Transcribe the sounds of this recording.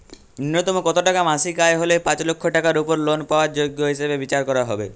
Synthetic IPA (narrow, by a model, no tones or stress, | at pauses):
inːot̪omokɔt̪oʈakamasikaeɦolepãt͡ɕlokʰːoʈakaɾupoɾlonpaoaɾd͡ʑoɡːoɦiʃebebit͡ɕaɾkɔɾaɦɔbḛ